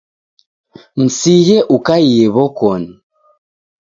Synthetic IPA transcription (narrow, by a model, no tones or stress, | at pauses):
m̩sijɛʔukaijɛβɔkɔni